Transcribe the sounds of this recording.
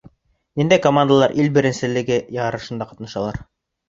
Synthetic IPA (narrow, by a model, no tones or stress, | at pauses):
nind̪æjkomand̪alˠɑɾʔilbɘ̆ɾɘ̆nsɘ̆lɘ̆ɡɘjɑʁɑɾɤ̆ʃɤ̆nd̪ɑqɑ̥t̪nɑʃɑlˠɑɾ